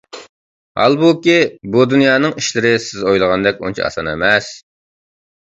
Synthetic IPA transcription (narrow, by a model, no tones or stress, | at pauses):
hɑ̰lˠbukʲibud̪unjɑːnɨŋiʃlɪɾɪsɪzojlˠəʁɑnd̪ɛkʲṵnt͡ʃʰɑ̰ɑ̰sɑnɛ̰mɛs